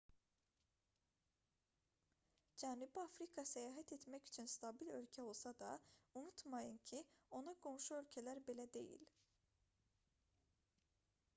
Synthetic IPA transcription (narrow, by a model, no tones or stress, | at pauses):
d͡ʒænubiɑfɾikʰɑsæjɑːɦæt̪ʰet̪mæcy̥t͡ʃʰynst̪ʰɑbilø̞̰lcʰæo̞lˠsɑd̪ɑunut̪mɑjɯncʰio̞nɑɡʰo̞mʃuø̞lʲcʰælæɾbe̞læd̪e̞̰jḭl